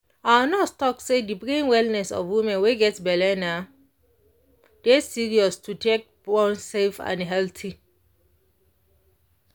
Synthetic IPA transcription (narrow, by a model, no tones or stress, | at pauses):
anɔstɔk̚sedipɹẽnwɛlnɛsɔ̰fwimɛ̃nweɡɛtsbɛlɛna | d̥ɛsiɹiɔstʰutʰek̚bɔ̃nsefã̰nɦɛltʰi